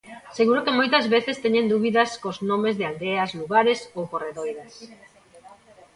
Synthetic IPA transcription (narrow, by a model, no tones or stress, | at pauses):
seɣuɾokemojt̪ɐzβeθest̪eɲend̪uβiðɐskoznõmezðɪald̪eɐzluɣaɾesowkoreðojðas